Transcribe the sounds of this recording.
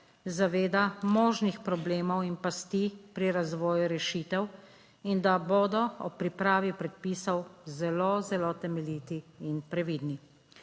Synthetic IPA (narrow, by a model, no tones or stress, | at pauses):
zaʋeːd̪amɔːʒnixpɾɔbleːmɔwinpast̪iːpɾiɾazʋɔːjuɾɛʃiːt̪ɛw | ind̪aboːd̪ɔɔpɾipɾaːʋipɾɛt̪̚piːsɔwzɛlozɛlot̪ɛmɛliːt̪iːnpɾɛʋid̪ni